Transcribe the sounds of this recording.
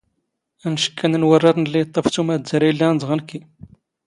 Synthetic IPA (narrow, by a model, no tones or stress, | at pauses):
ænʃə̥kːænənwərˤːɑɾˤnəlːijt̪ˤːɑft̪umæd̪aɾijəlːænd̪ˤʁənkːi